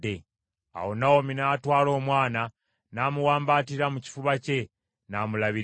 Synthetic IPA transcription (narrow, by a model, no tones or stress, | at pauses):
e | a̰wo̞naominatwaːlo̞ːmwaːna | namuwaːmbaːtiɾamuci̥fuβace̞ | naːmulaβi